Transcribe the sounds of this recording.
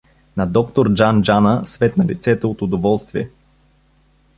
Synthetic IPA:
nɐd̪ɔkt̪oɾd͡ʒand͡ʒanəsvɛt̪nɐlḭt̪sɛt̪ɛot̪od̪ovɔlˠst̪viɛ

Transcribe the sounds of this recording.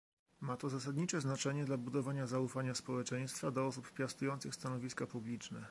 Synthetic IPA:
mat̪ɔzas̬ad̪ɲit͡ʂɛznat͡ʂɛɲɛd̪labud̪ɔvaɲazaufaɲaspɔwɛt͡ʂɛj̃st̪fad̪ɔɔsuppʲjast̪ujɔnt̪sɘxst̪anɔvʲiskapublʲit͡ʂnɛ

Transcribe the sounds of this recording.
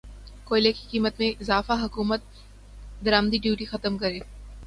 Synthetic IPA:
koːɪleki̥kiːmət̪mẽʔɪzaːfaɦɐkuːmət̪̚ | d̪ɐɾaːmd̪iɖjuːʈixɐt̪əmkɐɾẽː

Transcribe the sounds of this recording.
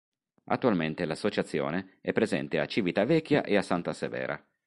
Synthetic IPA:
a̰t̪ːualment̪elasːot͡ʃat̪sːjo̰ːneɛpːɾezɛ̰nt̪ea̰t͡ʃivit̪avɛkʰʲːjaʔeasːant̪asḛvɛ̰ːɾʔa̰

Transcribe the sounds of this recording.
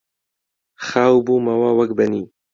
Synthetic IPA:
xaːubumawawakbani

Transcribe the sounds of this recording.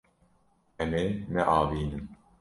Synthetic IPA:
ɛmeːnɛʔaːviːnɨm

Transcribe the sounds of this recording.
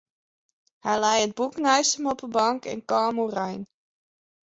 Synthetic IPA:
hɛjlɛjəd̚buknœɥsəmɔpəbɑŋkɛ̰nkɑːmurɑjn

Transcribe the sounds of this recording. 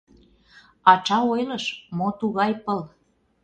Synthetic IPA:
ɑt͡ʃɑojləʃmot̪uɣɑjpəl

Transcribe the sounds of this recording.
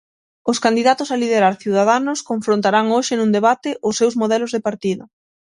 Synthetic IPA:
ʊskand̪iðat̪ʊsalið̞eɾaɾθiuwðaðanʊskoɱfɾõnt̪aɾaŋoʃɪnũŋd̪eβat̪ɪʔʊsːewzmoðɛlʊzðepaɾt̪iðʊ̰

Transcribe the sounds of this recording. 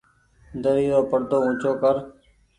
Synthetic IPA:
nd̪əɾiːɾoːpəɽt̪oːʊ̃ːt͡ʃoːkəɾ

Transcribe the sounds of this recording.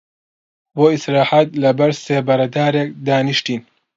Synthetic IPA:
boːisɾaːħat̪̚lɐbɐɾseːbɐɾɐd̪aːɾeːk̚d̪aːniʃt̪iːn

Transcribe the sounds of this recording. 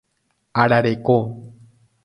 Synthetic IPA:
aɾaɾeko

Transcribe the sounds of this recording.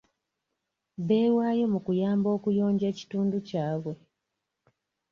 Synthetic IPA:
βe̞ːwaːjo̞mukujaːmbo̞ːkujo̞ːɲɟe̞ːci̥tuːnducaːβwe̞

